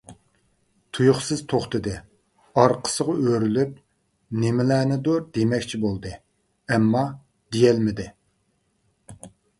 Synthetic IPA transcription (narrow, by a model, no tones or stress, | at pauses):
t̪ʰujuχsɨzt̪ʰoχt̪ɨd̪ɨ | ɑɾqʰə̥səʁʊøɾylyp̚ | nemɪlæːnɪd̪oɾd̪emɛkʲt͡ʃʰibolˠd̪ɨ | ɛmːɑ | d̪ejɛlmɪd̪ɪ